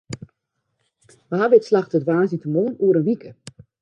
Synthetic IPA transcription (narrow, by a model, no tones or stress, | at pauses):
ʋəɦaʋɪtslaxtədʋaːzitəmoːnuəɾənʋikə